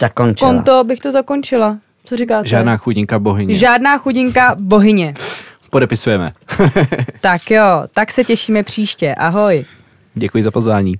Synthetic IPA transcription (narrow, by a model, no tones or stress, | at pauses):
z̥akont͡ʃkont̪obɪxt̪ozako̞nt͡ʃɪla | t͡soɾikaːʒaːdnaːxuɟɪŋkaboɦɪɲʒaːdnaːxuɟɪŋkabo̞ɦɪɲɛ | podɛpɪsujɛmɛ̰ | t̪akjoːt̪aksɛcɛʃiːmɛpr̝̥iːʃcɛʔaɦo̞j | ɟɛkujɪzapozvʋaːɲiː